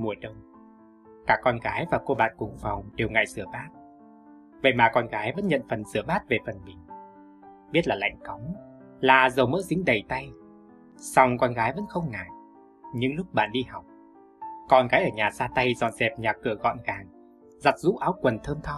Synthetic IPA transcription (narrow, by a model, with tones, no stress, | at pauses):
mu˨˩əjɗə˧wŋ͡m | kaː˦˥˩kːɔ˧nɣaː˨˦jvaː˨˩ko˧ɓa̰ː˧˨nkʊ˨˧˩ŋ͡mfa˨˩wŋ͡mɗe˨˩wŋa̰ː˧˨jsɨ˧˩əɓaː˦˥t̚ | və̰˧˨jmaː˨˩kɔ˧nɣaː˨˦jvə̰˧˥nɲə̰˧˨nfə˨˩nsɨ˧˩əɓaː˦˥t̚ve˨˩fə˨˩nmï˨˩ŋ̟ | ɓi˦˥ət̚laː˨˩la̰˧˨jŋ̟kɔ˨˦wŋ͡m | laː˨˩zə˨˩wmə̰˧˥zï˨˦ŋ̟ɗə˨˩jt̪a˧j | sa˧wŋ͡mkɔ˧nɣaː˨˦jvə̰˧˥nxə˧wŋ͡mŋa̰ː˧˨j | ɲɨ̰˧ŋlʊ˦˥k͡p̚ɓa̰ː˧˨nɗi˧ha˨˩wk͡p̚ | kɔ˧nɣaː˨˦jʔəː˧˩ɲaː˨˩saː˧t̪a˧jzɔ̰˧˨nzɛ˨˩p̚ɲaː˨˩kɨ˧˩əɣɔ̰˧˨nɣaː˨˩ŋ | za˨˩t̚zṵ˧˥ʔaː˨˦wkwə˨˩nt̪ʰəː˧mt̪ʰɔ˧